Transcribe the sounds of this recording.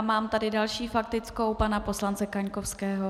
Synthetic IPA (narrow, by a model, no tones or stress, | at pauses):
maːmt̪adɪdalʃiːfak̚t̪ɪt͡sko̞wpanapo̞slant͡sɛkaɲkofskɛːɦo